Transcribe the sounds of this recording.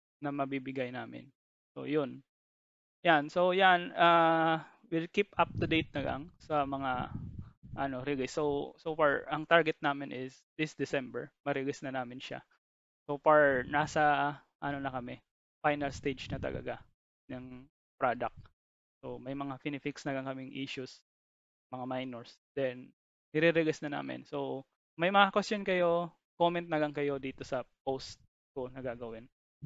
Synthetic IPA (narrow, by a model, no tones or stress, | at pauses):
nɐmɐbibɪɡajnaːmɪ̰n | so̰jon | janso̞wjana | wɪlkipʔap̚d̪ɐd̪ejt̪̚nɐɡɐ̰ŋsɐmɐŋa | ʔɐno̞ɾɪɡɪsːowsofaɹʔɐŋt̪aɹɡɛt̪̚naːmɪnʔɪs | d̪̥ɪsd̪ɪsɛmbɛ̰ɹmɐɾɪɡɪsnɐnaːmɪnʃa̰ | sofaɹnaːsɐ | ʔɐnonɐkɐmɛ | fajnɐlst̪ejd͡ʒnɐt̪ɐ̰lɐ̰ɡa | nɐŋ | pɾad̪ɐk̚t̪̚ | somɐjmɐŋafɪnɪfɪksnɐɡɐŋkɐmɪŋʔiʃus | mɐŋamajnɛɹs | d̪̥ɛn | nɪɾɪɾɛɡɪsnɐna̰ːmɪ̰nso̞w | mɐjmɐŋakwɛst̪jonkɐjo̞ | komɛnt̪̚nɐɡɐŋkɐjo̞d̪iːt̪o̞sɐpost̪̚ | konɐɡaːɡɐwɪn